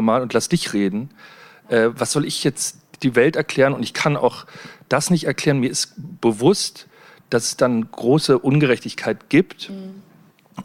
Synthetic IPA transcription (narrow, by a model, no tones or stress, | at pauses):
maːlʊntlasd̥ɪçʁeːdn̩ | ʔɛːvasz̥ɔlɪçjɛt͡s | d̥iːvɛltɛɐkʰl̥ɛːʁənʊntɪçkʰana̰ʊχd̥asnɪçtɛɐkl̥ɛːʁənmiːɐɪstb̥əvʊst | d̥asɛ̥sd̥anɡ̥ʁoːsəʔʊnɡəʁɛçtɪçkʰaɪtɡ̥iːpt